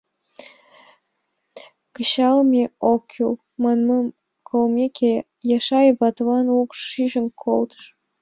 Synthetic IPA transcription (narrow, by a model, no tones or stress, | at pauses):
kəɕɑlmʲeokʲʰːul | mɑnmɑm | kʰolmʲekʰʲe | jɑʃɑjβɑt̪vɑnukʃyʒə̆nkʰolt̪ə̥ʃ